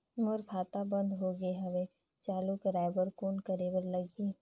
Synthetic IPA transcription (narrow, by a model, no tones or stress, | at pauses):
mʊɾkʰaːt̪abə̃nd̪ɦoːɡəeɦɐʋe | t͡ʃaːlukəɾaːɪbəɾkoːnkəɾewəɾlɐɡiː